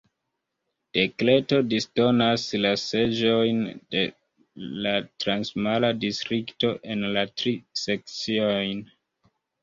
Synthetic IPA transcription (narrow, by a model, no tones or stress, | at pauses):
d̥e̞kle̞to̞disto̞naslase̞d͡ʒo̞jnde̞ | latɾansmaladistɾikto̞ʔe̞nlatɾise̞k̚t͡siojn